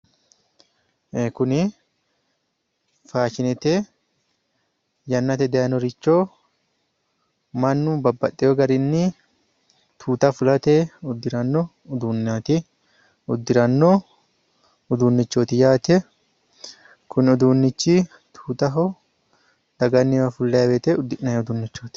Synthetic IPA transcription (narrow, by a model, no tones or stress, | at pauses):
kʊnɪ | faːt͡ʃɪnɛt̪e | jɐnːɐt̪ɛd̪ɛjɐnɔɾɪt͡ʃːo | mɐnːʊbɐbːɐt̪ʼːɛjoɡɐɾɪnːɪ | t̪ʰuːt̪ɐfʊlɐt̪eʊd̪ːɪɾɐnːɔː | d̪uːnat̪ɪ | ʊd̪ːɪɾɐnːɔ | ʊd̪unːɪt͡ʃːoːt̪ɪjaːt̪ɛ | kʊnɪɔd̪uːnːɪt͡ʃːɪ | t̪ʰu̥ːt̪ɐɦɔ | d̪̥ɐɡɐnːɪwɐfʊlːɐjɐbet̪eʊd̪ːɪʔnɐjʊd̪unːɪt͡ʃːoːt̪